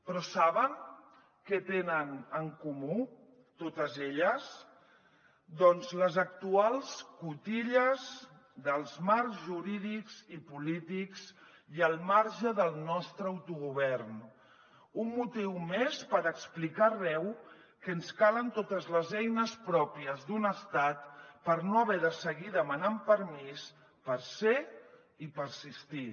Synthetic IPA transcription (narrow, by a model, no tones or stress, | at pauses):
pɾɔsaβ̞əŋ | kət̪enənəŋkumu | t̪ot̪əzeʎəs | d̪ɔnzləzək̚t̪ualˠskut̪iʎəz | ðəlˠzmaɾkzʒuɾiðikz̥ipulit̪ikz̥ | iəlˠmaɾʒəðəlˠnɔst̪ɾəːwt̪uɣuβ̞ɛɾn | ummut̪iwmespəɾəksplikarɛw | kənskalənt̪ot̪əzləzɛjnəspɾɔpiəzðunəst̪at̪pəɾnoəβɛðəsəɣiðəmənampəɾmis | pəɾse | ipəɾsist̪i